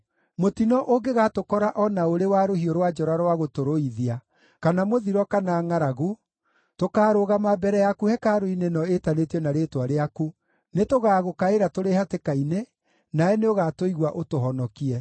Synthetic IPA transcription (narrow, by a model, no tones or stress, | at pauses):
motinɔʔoɡeɣatokɔɾaʔɔnaoɾewaɾohioɾwad͡ʒɔɾaɾwaɣotoɾoiðia | kanamoðiɾɔkanaːŋaɾaɣu | tokaːɾoɣamabɛɾɛjakuhɛkaɾoinenɔetanetiɔnaɾeːtwaɾeaku | netoɣaːɣokaeɾatoɾehatekaine | naɛneoɣatoiɣwaʔotoɦɔnɔkiɛ